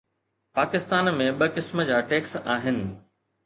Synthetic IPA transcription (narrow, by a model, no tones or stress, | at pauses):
paːkɪst̪aːnmẽɓɐkɪsmə̆d͡ʑaːʈeːksaːɦɪnɪ̆